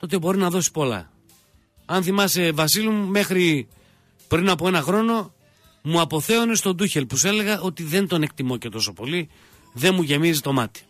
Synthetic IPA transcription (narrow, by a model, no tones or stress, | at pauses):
t̪o̞t̪̬e̞bo̞ɾinɐðo̞si̥po̞lɐ̰ | ɐnθimɐse̞vɐsilumume̞xɾi | pɾinɐpo̞e̞nɐxɾo̞no̞ | muɐpo̞θe̞one̞st̪o̞d̪uçelpuse̞le̞ɣɐʔo̞t̪iðe̞nd̪o̞ne̞k̚t̪imoce̞t̪o̞so̞po̞li | ðe̞nmuʝe̞mizit̪o̞mɐt̪i̥